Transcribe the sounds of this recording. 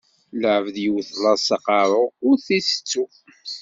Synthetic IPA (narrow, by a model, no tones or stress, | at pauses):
ləʕəvəðjəwθlˤɑsɑqɑɾˤoʊɾθisə̥t͡sːu